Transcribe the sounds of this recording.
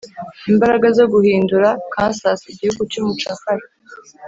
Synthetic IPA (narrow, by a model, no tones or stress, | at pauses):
imbaɾaɡazo̞ɡuhiːnduɾakaːnsasiɟihuɡut͡ʃomut͡ʃakaɾe